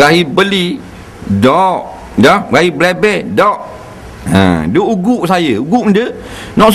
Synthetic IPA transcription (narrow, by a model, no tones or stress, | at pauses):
ɡaɦibəli | dɔʔ | daɡaɦiblɛbɛdɔʔ̚ | ə̰̃doʔuɡuʔsajəuɡuʔndə | nɔʔs